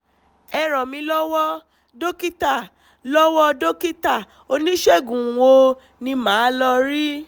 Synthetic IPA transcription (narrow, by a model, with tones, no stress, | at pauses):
ɛ˧ɾɔ˨mĩ˧lɔ˦wɔ˦ | do˦ki˦ta˦˨ | lɔ˦wɔ˦do˦ki˦ta˦˨ | o˧nĩ˦ʃe˦˨ɡũ˨wo˧ | nĩ˧mãː˨˦lɔ˧ɾi˦